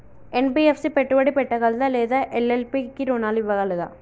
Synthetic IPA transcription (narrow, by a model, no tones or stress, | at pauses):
ɛnbiefsipɛʈːɯʋɐɽipɛʈːɐɣɐɭd̪ɐ̃leːðɐʔɛlelpikːiɾoːnaːliʋːɐɣɐɭɯðã̰ː